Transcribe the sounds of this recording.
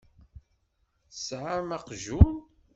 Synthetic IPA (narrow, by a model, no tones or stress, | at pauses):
sʕamæqʒun